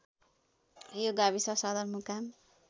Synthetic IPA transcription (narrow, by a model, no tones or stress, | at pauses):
joɡabisʌsʌd̪ʌrmukam